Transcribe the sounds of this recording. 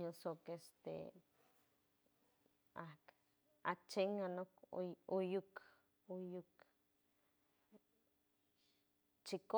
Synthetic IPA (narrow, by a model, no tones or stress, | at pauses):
ɲosokest̪ḛ | ak | a̰t͡ʃeŋanokojuk | ojuk | t͡ʃiko